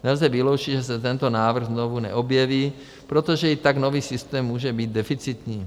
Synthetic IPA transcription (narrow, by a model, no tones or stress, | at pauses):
nɛlzɛvilowt͡ʃiʒɛsɛt̪ɛnt̪onaːvr̩ɣznovunɛ̰ʔobjɛviː | pɾot̪oʒɛit̪aɡnoviːsɪst̪ɛːmːuːʒɛbiːd̪dɛfit͡sit̪ɲiː